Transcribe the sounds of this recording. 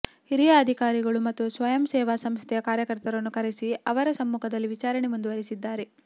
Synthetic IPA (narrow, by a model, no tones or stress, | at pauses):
hiɾijaːd̪ʱikaːɾiɡɐɭumɐt̪ːusʋɐjɐmsɛːʋasɐmst̪ʰɛjɐkaːɾjɐkɐɾt̪ɐɾɐnːukɐɾesiɐʋɐɾɐsɐmːuːkʰɐd̪ɐlːiʋit͡ʃaːɾɐɳemund̪uʋɐɾisid̪ːaːɾe̞